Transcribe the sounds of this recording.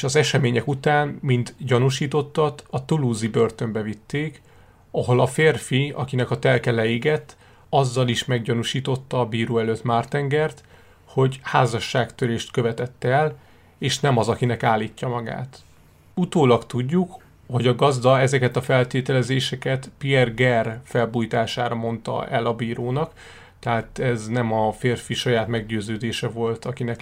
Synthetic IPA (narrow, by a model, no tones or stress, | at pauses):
ʃɒzɛʃɛmeːɲɛkut̪aːnmint̪ɟɒnuʃiːt̪o̞t̪ːɒt̪ɒt̪uluːzibø̞rt̪ø̞mbɛvit̪ːeːk | ɒɦo̞lɒfeːrfiɒ̰kinɛkɒt̪ɛlkɛlɛiɡɛt̪ː | ɒzːɒliʃmɛɡɟɒnuʃiːt̪o̞t̪ːɒːbiːɾoːɛløt̪maːrt̪ɛŋɡɛrt̪ | ho̞ɟhaːzɒʃːaːkt̪øɾeːʃt̪kø̞vɛt̪ɛt̪ːɛl | eːʃnɛmɒzɒkinɛkaːlːiːcːɒmɒɡa̰ːt̪ | ut̪oːlɒkt̪uɟːuk | ho̞ɟɒɡɒzd̪ɒɛzɛkɛt̪ɒfɛlt̪eːt̪ɛlɛzeːʃɛkɛt̪piɛrɡɛrfɛlbuːjt̪aːʃaːɾɒmo̞nt̪ɒ̰ɛlɒbiːɾoːnɒk | t̪ɛɦaːt̪ɛznɛmɒfeːrfiʃɒjaːt̪mɛɡɟøːzøːd̪eːʃɛvo̞lt̪ɒkinɛk